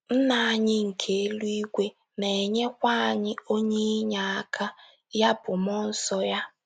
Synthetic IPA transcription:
n̩˦na˨a˨ɲɪ˦ŋ̩˨kʰe˨e˦lu˦i˦ɡʷe˦ | ne˨e˨ɲe˦kʷa˦a˨ɲɪ˦o˦ɲe˦ɲa˨a˦kʰa˦ | ja˦bʊ˨m˦ɔ˦n̩˦sɔ˦ja˦

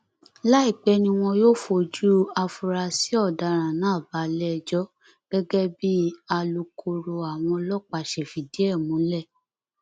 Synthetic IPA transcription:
la˦i˦˨k͡pɛ˨˦nĩ˧w̃ɔ̃˧joː˦fo˧d͡ʒu˦a˧fu˧ɾa˧si˨˦ɔ˦˨da˨˧ɾ̃ã˨nã˨˦˨ba˨˦lɛ˦˧d͡ʒɔ˦ | ɡ̥ɛ˦ɡɛ˦bi˦a˧lu˧kʰo˧ɾo˧a˨w̃ɔ̃˧lɔ˦k͡pa˧˨ʃɛ˨fi˨di˨˦ɛ˦˨mũ˨˦lɛ˦˨

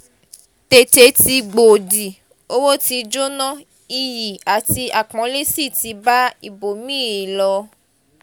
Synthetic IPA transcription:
te˨t͡ʃe˧ti˧ɡ͡bo˨di˨ | o˦wo˦ti˧d͡ʒo˦nɔ̃˦ | i˧ji˨a˨ti˧a˨k͡pɔ̃˨˦le˦si˦˨ti˧˦ba˦i˦˨bo˨mĩ˦e˨lɔ˧

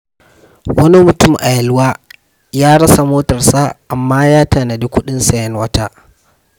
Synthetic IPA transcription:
wɐ˦ni˦mʊ˨tʊ˦˨mʔa˨jɐ˨lwaː˦ | jaː˦ɽɐ˦sa˨moː˦tɐ˨rsa˦ʔa˨mːaː˦jaː˦ta˨na˨di˦kʷʊ˦ɗɪ˦nsɐ˦jɛ˦nwɐ˦taː˦

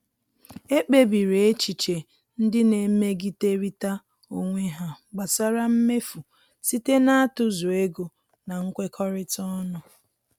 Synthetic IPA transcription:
e˦k͡pe˨bi˨ɾe˨e˦t͡ʃi˨t͡ʃe˨ | n̩˦dɪ˦ne˨me˦ɡi˦te˦ɾi˦ta˦ | o˨ŋʷe˦ɦa˨ɡ͡ba˨sa˦ɾa˦m̩˦me˦fu˨ | si˦te˦na˦a˦tʊ˨zʊ˨e˦ɡo˨ | na˨ŋ̩˦kʷe˦kʰɔ˦ɾɪ˦tɔ˦nʊ˨

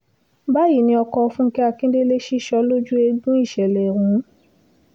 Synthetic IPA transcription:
ba˦ji˦˨nĩ˧ɔ˧kɔ˧fũ˦ŋ̩˦kɛ˦a˧kĩ˦de˦le˦ʃi˦ʃɔ˧˦lo˦d͡ʒu˦e˧ɡũ˦i˦˨ʃɛ˨lɛ˨ɾũ˨˦

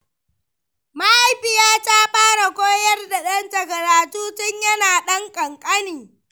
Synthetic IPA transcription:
ma˦ʔa˨jɸɪ˨jaː˦taː˦ɸaː˦ɽa˨kʷoː˦jɐ˦rda˨ɗɐ˦ntɐ˨kɐ˨ɾaː˨tuː˦tɪ˦ɲjɐ˦naː˨ɗɐ˦ŋkʼɐ˨ŋkʼɐ˦niː˨

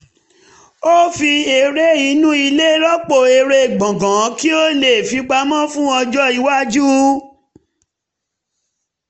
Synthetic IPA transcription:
o˦fi˧e˧ɾe˦i˨˧˦nũ˦i˧le˦ɾɔ˦k͡po˧˨e˧ɾe˧˨ɡ͡bɔ̃˨ɡã˨˦ki˦o˦le˨fi˨˧˦ɡ͡ba˧mã˦fũ˦ɔ˧d͡ʒɔ˦i˧wa˦d͡ʒu˦

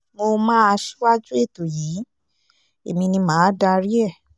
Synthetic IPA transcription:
mo˧mãː˦a˧ʃi˦wa˦d͡ʒu˦e˦˨to˨jiː˨˦ | e˨mĩ˧nĩ˧mãː˨˦da˧ɾi˦ɛ˦˨

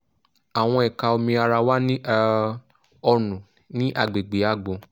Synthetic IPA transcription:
a˨w̃ɔ̃˧ɛ˨ka˧o˧mĩ˧a˧ɾa˧wa˦nĩ˦ | ɔ˧nũ˨ | nĩ˦ʔa˦˨ɡ͡be˨ɡ͡be˨˦a˦˨ɡ͡bõ˨

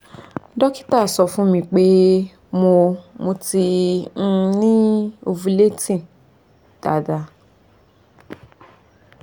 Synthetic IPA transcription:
dɔ˦ki̥˦ta˦˨sɔ˧fũ˦mĩ˧k͡pe˦ | mo˧mo˧tĩ˧ | nĩ˦o˧vu˧le˦tĩ˦˨ | d̥a̰˨˦da˨˧

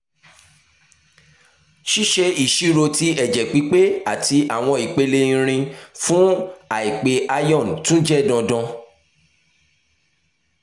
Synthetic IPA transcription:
ʃi˦ʃe˧i˨ʃi˦ɾo˧ti˧ɛ˨d͡ʒɛ˨k͡pi˨˦k͡pe˦a˨tʰi˧ʔa˨w̃ɔ̃˧i˨k͡pe˧le˧ĩ˧ɾ̃ĩ˧fũ˦a˨i˨k͡pe˧ʔa˧jɔ̃˦˨n˨tũ˦d͡ʒɛ˦˨dɔ̃˧dɔ̃˧

